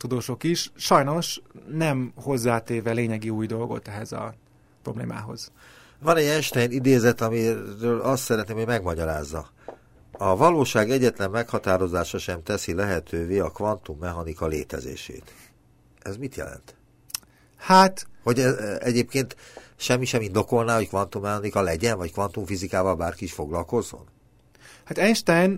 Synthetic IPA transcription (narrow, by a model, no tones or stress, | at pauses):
t̪ud̪oːʃo̞kiʃʃɒjno̞ʃnɛmho̞zːaːt̪eːvɛleːɲɛɡiuːjd̪o̞lɡo̞̰t̪ɛɦɛzɒ̰ | pro̞blḛːma̰ːɦo̞̰z̥ | vɒnɛɟɛʃt̪ɛjinid̪eːzɛt̪ɒmiɾøːlɒst̪sɛɾɛt̪neːmhomɛɡmɒɟɒɾaːzːɒ | ɒvɒloːʃaːɡɛɟːɛt̪lɛmːɛkhɒt̪aːɾo̞zaːʃɒʃɛmt̪ɛsilɛɦɛt̪ʰøːveːɒkvɒnt̪umːɛɦɒnikɒleːt̪ɛ̰zḛːʃḛːt̪ | ɛzmit̪jɛ̰lɛ̰nt̪ | hat̪ho̞ɟɛzɛɟeːpkeːnt̪ʃɛmːiʃɛmind̪o̞ko̞lnaːɦo̞ckvɒnt̪umːɛɦɒnikɒlɛɟɛnvɒckʋɒnt̪uɱfizikaːvɒlbaːrkiiʃfo̞ɡlɒlko̞zːo̞̰n | hat̪ɛʃt̪ɛn